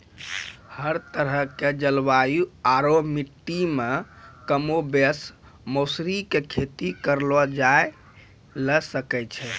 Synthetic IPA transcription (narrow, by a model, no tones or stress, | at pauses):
həɾt̪əɾəɦked͡ʒəlʋajuaɾomiʈːime | kəmobes | mosɾikekʰet̪ikəɾlɔd͡ʒae | ləsəkɛt͡ʃʰɛ